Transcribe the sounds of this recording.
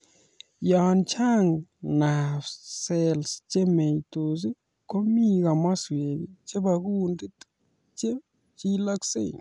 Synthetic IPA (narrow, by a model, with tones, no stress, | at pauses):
ja˨nt͡ʃʰa˦ŋna˨sɛ˦lst͡ʃɛ˦me˨jtu˨zi˦ | ko˦mi˦k̬a˨ma˦swe˨βit͡ʃɛ˦ɓa˨k̬undi˦ | t͡ʃɛ˦ | t͡ʃi˦la˦ksḛ˦˨ŋ